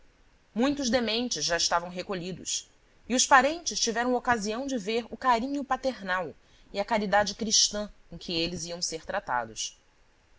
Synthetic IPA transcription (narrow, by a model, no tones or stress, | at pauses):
mũj̃t̪ʊʒd̪emẽnt͡ʃɪzʒaɪʃt̪avɐ̃w̃ɦekoʎid̪ʊ̰s | iʊspaɾẽnt͡ʃɪst͡ʃivɛɾɐ̃okaziɐ̃w̃d͡ʒɪveɾʊkaɾĩɲʊpat̪eɾnaw | iakaɾid̪ad͡ʒɪkɾiʃt̪ɐ̃kõkʰɪelɪziɐ̃w̃seɾt̪ɾat̪a̰d̪ʊs